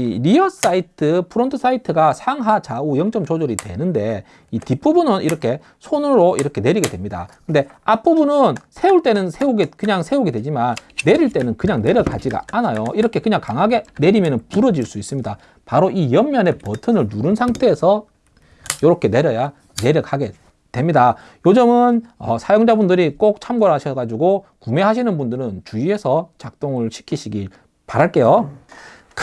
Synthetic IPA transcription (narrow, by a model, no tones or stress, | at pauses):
iɾiʌs͈aitʰɯpʰɯɾontʰɯs͈ʰaitʰɯɡasʰaŋɦat͡ɕaujʌŋt͡ɕ͈ʌmt͡ɕod͡ʑoɾitwe̞̰nɯnde̞ | itip͈ubunɯniɾʌkʰe̞ | sʰonɯɾoiɾʌkʰe̞ne̞ɾiɡe̞dwe̞mɲida̰kɯnde̞ap͈ubunɯnsʰe̞uɭt͈e̞nɯnsʰe̞oɡekɯɲaŋsʰe̞oɡidwe̞d͡ʑimanːe̞ɾiɭt͈e̞nɯnkɯɲaŋne̞ɾjʌkad͡ʑiɡa̰anajoiɾʌkʰe̞kɯɲaŋkaŋɦaɡe̞ne̞ɾimjʌnɯnpuɾʌd͡ʑiɭs͈uis͈ɯmɲida | paɾoijʌmːjʌne̞pʌtʰɯnɯɭnuɾɯnsʰaŋtʰe̞ːsʰʌ | joɾokʰe̞ne̞ɾjʌja | ne̞ɾjʌk̚haɡe̞ | twe̞mɲida | jod͡ʑɯmɯnʌsʰajoŋd͡ʑabundɯɾik͈ok̚t͡ɕʰamɡʌɾɦaɕʰʌɡad͡ʑuɡokume̞ɦaɕ̬ʰinɯnbundɯɾɯnt͡ɕuiɦe̞sʰʌt͡ɕak̚t͈oŋɯɭɕʰi̥kʰiɕʰiɡi | paɾaɭk͈e̞jo | k